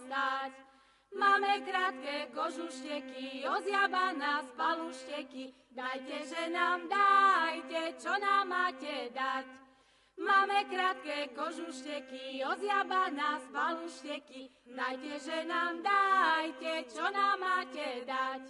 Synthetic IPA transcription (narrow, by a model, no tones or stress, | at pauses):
t̪ac | maːmɛkɾaːt̪kɛkɔʒuʃcɛkiɔzjabanaspaluʃcɛki | d̪ajcɛʒɛnaːmd̪ajcɛt͡ʃɔnamːaːcɛd̪ac | maːmɛkɾaːt̪kɛːkɔʒuʃcɛkiɔzjabanaspaluʃcɛkid̪ajcɛʒɛnaːmd̪ajcɛt͡ʃɔnaːmːaːcɛd̪ac